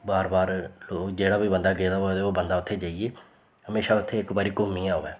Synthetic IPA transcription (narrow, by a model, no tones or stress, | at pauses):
baːɾbaːɾloːkd͡ʒeːɽaːbiːbənd̪aːɡeːd̪aːɦot̪eoːbənd̪aːʊt̪ʰːeːd͡ʒaːieː | həmeːʃaːʊt̪ʰːeːɪkbaːɾiːkoːmːiːãːɦoːɛː